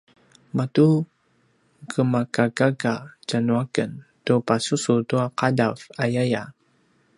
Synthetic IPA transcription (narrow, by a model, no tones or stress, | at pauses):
matu | kəmakakakat͡ʃanuakəntupasusutuaqadavajaja